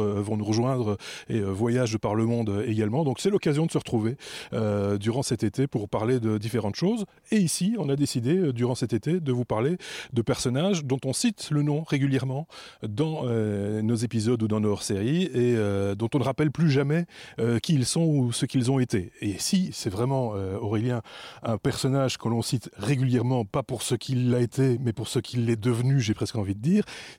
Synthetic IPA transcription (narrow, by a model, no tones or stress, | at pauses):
vɔ̃nuʁəʒwɛ̃d̪ʁəeøvwajaʒd̪əpaʁləmɔ̃d̪øeɡalmɑ̃d̪ɔ̃ksɛlɔkazjɔ̃d̪əsəʁət̪χuveød̪yʁɑ̃sɛt̪et̪epuʁpaʁled̪əd̪ifeʁɑ̃t̪ʃoz | eisiɔ̃nad̪esid̪eød̪yʁɑ̃sɛt̪et̪ed̪əvupaʁled̪əpɛʁsɔnaʒd̪ɔ̃t̪ɔ̃sit̪lənɔ̃ʁeɡʲyljɛʁmɑ̃d̪ɑ̃ønozepizɔd̪ud̪ɑ̃noχseʁieød̪ɔ̃t̪ɔ̃nəʁapɛlplyʒamɛøkʲiːlsɔ̃usəkilzɔ̃et̪eesisɛvʁɛmɑ̃øɔʁeljɛ̃ɛ̃pɛʁsɔnaʒkəlɔ̃sit̪ʁeɡʲyljɛʁmɑ̃papuʁsəkʲʰilːaet̪ʰemɛpuʁsəkʲʰilːɛd̪əvnyʒepχɛskɑ̃vid̪əd̪iːʁ